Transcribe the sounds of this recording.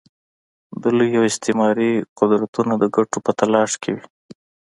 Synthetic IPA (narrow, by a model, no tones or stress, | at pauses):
b̪əlojawɪst̪ɪmɑɾiqʊd̪ɾat̪unad̪əɡaʈopət̪alɑʃkʰewi